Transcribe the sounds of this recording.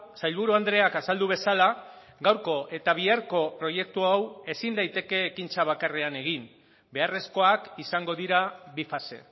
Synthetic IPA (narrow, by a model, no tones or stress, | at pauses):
sajʎβuɾuand̪ɾe̞akasald̪uβ̞e̞sala | ɡawɾko̞ʔe̞t̪aβ̞iaɾko̞pɾo̞je̞k̚t̪uawe̞sind̪ajt̪e̞ke̞ːkint͡saβakare̞ane̞ɣ̞in | be̞are̞sko̞akisaŋɡo̞ð̞iɾaβifase̞̰